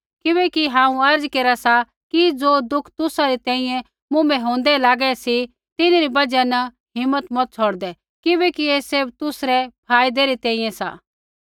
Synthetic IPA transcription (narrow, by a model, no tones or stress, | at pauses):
kɪβɛkiɦãːũɐɾd͡zkeːɾasa | kid͡zoːd̪ʊkʰt̪ʊsaɾit̪ɛ̃ːĩjɛ̃ | mʊ̃mɛɦõːnd̪ɛlaːɡɛsi | t̪ɪnɾibɐd͡ʒɛnɐ | ɦɪmːət̪mɔt̪̚t͡sʰoːɽd̪ɛ | kɪbɛkieːseːbt̪ʊsɾɛpʰaːid̪ɛɾit̪ɛ̃ːĩjɛ̃sa̰ː